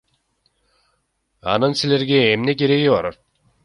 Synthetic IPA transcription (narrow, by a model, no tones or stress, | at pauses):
ɑ̰nɯnsile̞ɾɡʲe̞ːmne̞k̬ʲe̞ɾe̞ɡʲibɑɾat̪